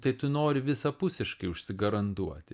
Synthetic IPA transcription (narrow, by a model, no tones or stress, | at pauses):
t̪ɐɪt̪ʊnoːɾʲɪʋʲɪsɐpʊsʲɪʃkɐɪʊʃʲsʲɪɡɐɾɐnt̪uɔt̪ʲɪ